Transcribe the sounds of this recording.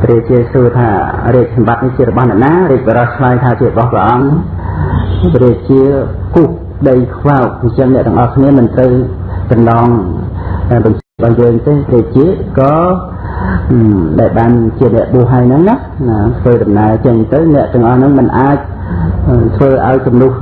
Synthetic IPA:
priək̚t͡ɕiət̪̚suət̪ʰa̰ːriək̚sɑmɓat̪̚niht͡ɕiəɾɔɓɑhnɛ̆əʔnaːriək̚ɓɑɾɑht͡ɕʰlaːjt̪ʰaːt͡ɕiərɓɑhprɛ̰̆ʔɑŋ | riək̚t͡ɕiəkuh | ɗəjkʰʋawk̚ɲt͡ɕəŋnɛ̆t̪̆ːəŋʔɑhkʰniəmɨnt̪rəwsɑmnɑːŋ | aɓɑɲt͡ɕiɓɑhjəːŋt̪eːriək̚t͡ɕiəʔ̪̚kɑː | ɗaɛlɓaːnt͡ɕiənɛ̆əʔɓuəhɦaəjnɨŋnah | t̪ʰʋəːɗɑmnaət͡ɕəɲt̪ɨwnɛ̆əʔt̪ɛ̆əŋʔɑhnɨŋmɨnʔaːc̚ | t̪ʰʋəːʔa̰ɔjt͡ɕumnuh

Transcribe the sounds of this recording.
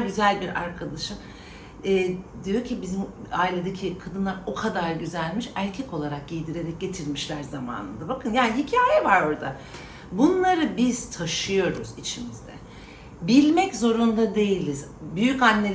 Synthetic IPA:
ɟyzælʲbiɾa̰ɾkʰad̪aʃɯm | ɛd̪ijo̞ɾcʰibizimaːilʲe̞d̪ecʰikʰad̪ɯnlˠaɾo̞kʰad̪aɾɟyzælʲmiʃæɾcʰɛko̞lˠaɾak̚ɟijd̪iɾe̞ɾɛc̚ɟe̞t̪ʰiɾmiʃlʲæɾzama̰ːnɯ̰nd̪abakʰɯnjaːniɦicʰaːjɛvaɾo̞ɾd̪a | bunlˠaɾɯbiz̥t̪ʰaʃɯjo̞ɾuz̥it͡ʃʰimizd̪ɛ̰ | bilʲmɛczo̞ɾund̪ad̪e̞jilʲizbyjycanːe̞

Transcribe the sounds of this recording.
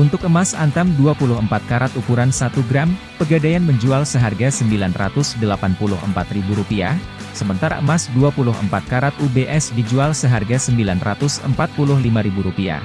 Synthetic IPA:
ʔunt̪ʊk̚əmasant̪amduapulʊɦəmpat̪̚kaɾat̪ukuɾansat̪uɡɾam | pəɡadajanməɲd͡ʒualsəɦarɡasəmbilanra̰t̪ʊsdəlapanpulʊ̰ɦə̰mpat̪ribuɾupia̰ | səmənt̪aɾa̰əmasduapulʊɦə̰mpat̪̚kaɾat̪̚ubeʔɛsdid͡ʒualsəɦarɡasəmbilanra̰t̪ʊsə̰mpat̪̚pulʊhlimaɾibuɾupia̰

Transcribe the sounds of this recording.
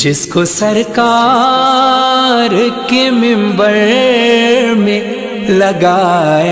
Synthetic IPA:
d͡ʒɪskosɐɾkaː | ɾkemɪ̃mbəɾ | ɾmẽ | lɐɡaːjaː

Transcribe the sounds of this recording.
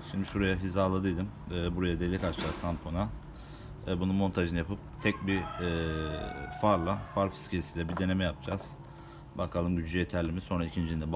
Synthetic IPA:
ʃimd̪iʃuɾajaɦizaːlˠad̪ɯjd̪ɯmɛːbuɾajad̪elʲːikat͡ʃd͡ʒazt̪ʰampʰona | ɛːbununmo̞nt̪ʰaʒɯnɯjapɯp̚t̪ʰɛc̚biɛː | faɾlˠafaɾfi̥scʰelʲisid̪ʲɛbid̪e̞ne̞mɛjap̚d͡ʒaz̥ | bakʰalˠɯmɟyd͡ʒlʲyjet̪ʰæɾlʲimiso̞nɾaicʰind͡ʒiind̪ɛb

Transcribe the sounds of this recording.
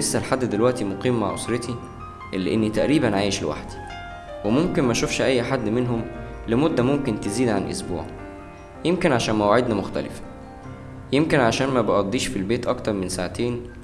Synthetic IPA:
esːælħad̪ːd̪elwæʔt̪imoqiːmːaʕʔo̰sˤɾet̪i | ʔelːeʔenːit̪æʔɾiːbænʕaːjeʃlḛwa̰ħd̪̥i̥ | wemomkenmæʃofʃʔæjːħad̪ːmenɦom | lemod̪ːæmomkent̪eziːd̪ʕanʔo̰sbṵːʕ | jemkenʕaʃæːnmæwaʕed̪næmoxt̪æ̰lɪ̰fæ̥ | jemkenʕaʃæːnmæbɑʔɑd̪ˤːiːʃfilbeːt̪ʔɑkt̪ɑɾˤmensaʕat̪eːn

